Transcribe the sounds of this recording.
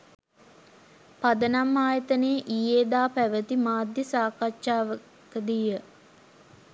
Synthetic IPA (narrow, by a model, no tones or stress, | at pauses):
pad̪ənamːaːjət̪əneːʔijeːd̪aːpæʋət̪imaːd̪jəsaːkaʃaːʋə | kəd̪ijə